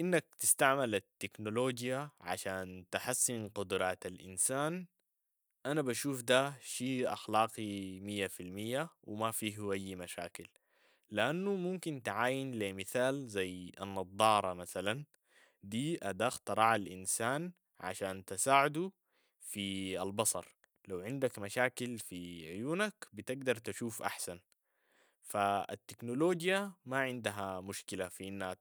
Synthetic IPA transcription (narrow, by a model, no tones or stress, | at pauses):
ʔinːak̚t̪ɪst̪aʕmalat̪ːɪknoloːd͡ʒjaʕa̰ʃaːnt̪aħasːinqʊd̪ɾˤɑːt̪alʔɪ̰nsaːn | ʔanabaʃuːfd̪aʃiːʔa̰xlɑːqimijːafilmijːawɪmafiːɦuʔajːmaʃa̰ːkil | lɪʔanːumumkint̪ʕaːjinlemɪθaːlzajːa̰nːɑd̪ˤːɑːɾˤɑmaθalan | d̪iːʔad̪aːxt̪ɑɾˤɑʕalʔinsaːn | ʕa̰ʃaːnt̪ɪsaːʕɪd̪u | fialbɑsˤɑ̰ɾˤ | lawʕɪnd̪akmaʃaːkilfiʕʊjuːnakbit̪ɪɡd̪ɑɾˤt̪aʃuːfʔa̰ħsan | faa̰t̪ːɪknoloːɡjamaʕɪnd̪aɦamʊʃkilafiʔinːa